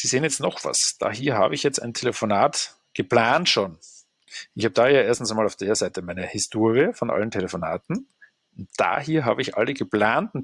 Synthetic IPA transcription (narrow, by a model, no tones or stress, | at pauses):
z̥iːzeːənjɛt͡stnɔχv̥a̰sd̥a̰ːɦiːɐɦa̰ːbəɪçjɛt͡sta̰ɪntʰeləfonaːt | ɡ̥əpl̥aːntʃoːn | ʔɪçhaːbədaːjaːʔeɐstn̩saɪmaːlaʊfd̥ːɐzaɪtʰəmaɪnəhɪstʰoːɐʁiəfɔnʔa̰ləntʰeləfona̰ːtn̩ | ʊntd̥a̰ːhiːɐɦaːbəɪçʔa̰ləɡəpl̥aːntʊn